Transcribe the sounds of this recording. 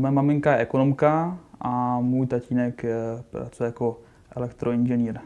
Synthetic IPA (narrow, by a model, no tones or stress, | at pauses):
mɛmamɪŋkaɛkonomkaʔamuːjt̪aciːnɛka̰t͡sojako | ʔɛlɛkt̪ɾoɪnd͡ʒɛniːɾ